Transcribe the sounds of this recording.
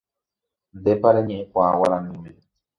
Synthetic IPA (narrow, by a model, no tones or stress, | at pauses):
nd̪epaɾeɲẽʔẽkʷaːwaɾanĩmẽ